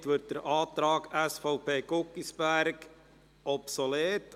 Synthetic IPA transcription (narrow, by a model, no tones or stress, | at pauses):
tʋøt̚d̥əɾʔɑːtɾɑːɡæsfɔʊpʰeːɡʊkːisbæɾɡ | ʔɔpsɔleːt